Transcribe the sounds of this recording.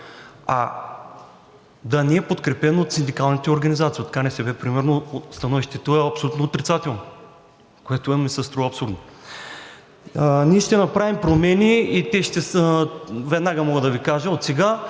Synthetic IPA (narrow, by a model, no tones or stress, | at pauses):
a̰ | d̪ɐnɛɛpot̪kɾɛpɛnot̪sind̪ikalˠnɐt̪ɛoɾɡɐnizat̪sijot̪ɐ̥kanɛsɛbɛpɾimɛɾnost̪ɐnɔviʃt̪ɛt̪oɛɐpsolʲut̪noot̪ɾit̪sat̪ɛlˠno | koɛt̪oɛmisɛst̪ɾɔɐpsuɾd̪no | niɛʃt̪ɛnɐpɾavimpɾomɛniːt̪ʲɛʃt̪ɛs | vɛd̪naɡɐmɔɡəd̪ɐvikaʒəot̪sɛɡa